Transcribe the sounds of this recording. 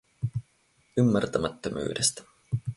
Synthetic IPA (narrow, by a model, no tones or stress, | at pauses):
ymːært̪ɑmɑt̪ːomʔy̰ːɾest̪